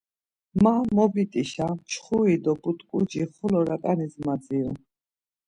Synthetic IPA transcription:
mamɔbit̪ʼiʃat͡ʃʰχuid̪ɔbut̪ʼkʼud͡ʒiχɔlɔɾakʼanizmad̪d͡ziɔ

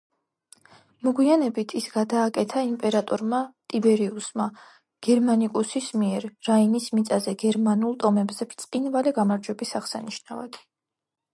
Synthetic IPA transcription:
mɔɡwianɛbit̪ʰisɡad̪aːkʼɛt̪ʰaimpʼɛɾat̪ʼɔɾmat̪ʼibɛɾiusma | ɡ̥ɛɾmanikʼusismiɛɾːainismit̪sʼazɛɡɛɾmanulˠt̪ʼɔmɛbzɛpʰt̪sʼqʼinvalɛɡamaɾd͡ʒwɛbisaʁsaniʃnava̰d̪̥

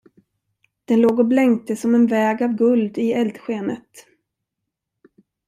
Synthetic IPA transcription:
d̪̥ɛnloːɡɔblɛŋkt̪əsɔmɛnvɛːɡavɡɵld̪ɪɛld̪ɧeːnət̪

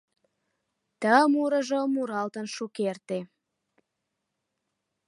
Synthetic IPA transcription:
t̪əmuɾəʒomuɾɑlt̪ənʃukert̪e

